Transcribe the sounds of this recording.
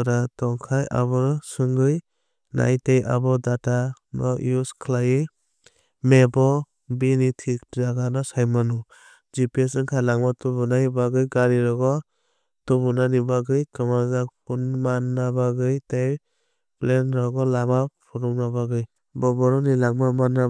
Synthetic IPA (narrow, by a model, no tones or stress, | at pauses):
ɾatɔŋkʰaja̰βɔsɯŋɡɯj | na̰jtejʔa̰bɔdata | nɔj̰uskʰlajɯ | mebɔ | binitʰik̚zaɡanɔsajmanu | zipiesɯŋkʰajlaŋmatubunajibaɡɯjɡaɾiɾɔɡɔ | tubunanibaɡɯjkɯmazakpʰunmanːabaɡɯjtej | plenɾɔɡɔlamapʰɔɾuŋnabaɡɯj | bɔbɔɾɔnilaŋmamanːa